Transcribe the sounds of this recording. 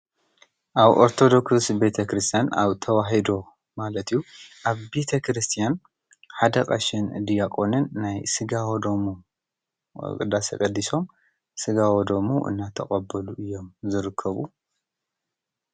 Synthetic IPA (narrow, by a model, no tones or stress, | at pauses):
ʔaβo̞̰ɾt̪ʰo̞d̪o̞kssbe̞t̪ʰɐkɾɨst̪ʰijana̰βt̪ʰɐwaɦid̪o̞ | malɐt̪ɨjːuʔaβbe̞t̪ʰɐkʰɾɨst̪ʰijan | ħad̪ɐkʼa̰ʃɪnɨ̰d̪ijakʼo̞nɨnːajsɨɡawod̪omu | kʼɨ̰d̪asɐ̰kʼɐd̪ːiso̞m | sɨɡawod̪o̞muʔɨ̰nːat̪ʰɐχʼɐbɐluʔɨjːo̞mzɨɾɨkʰːɐβu